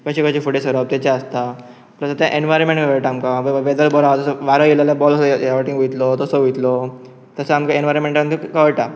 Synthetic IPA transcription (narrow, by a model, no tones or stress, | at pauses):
kəɕekəɕefuʈesəɾəb̚t̪ɛt͡ɕaəst̪a | pləsat̪jãʔenʋajɾmẽɳʈʋeʋəɭʈaːmkaʋʋed̪əlbɔɾat̪əsəʋaɾəjilalabɔlsjeʋəʈiŋɡʋujt̪lɔt̪əsəʋujt̪lɔ | t̪əsəamkaenʋaɾəmẽɳʈant̪ikəʋəɭʈa